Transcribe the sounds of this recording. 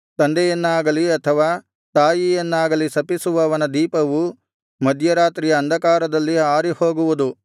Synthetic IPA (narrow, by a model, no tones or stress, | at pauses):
t̪ɐnd̪ɛjɐnːaːɡɐliɐt̪ʰɐʋaː | t̪aːjijɐnːaːɡɐlisɐpisuʋɐːʋɐnɐd̪iːpɐʋu | mɐd̪ʱjɐɾaːt̪ɾijɐːnd̪ʱɐkaːɾɐd̪ɐlːiaːɾiho̞ːɡuʋud̪u